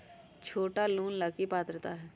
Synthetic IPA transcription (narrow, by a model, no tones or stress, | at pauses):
t͡ʃʰoːʈaluːnlakipaːt̪ɾət̪aɦɛː